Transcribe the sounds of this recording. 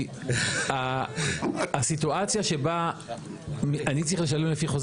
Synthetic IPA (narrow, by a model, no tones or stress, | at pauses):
a | sit̪uat͡sjaʃe̞ba | miʔanit͡sʁiχle̞ʃalemlefiχo̞z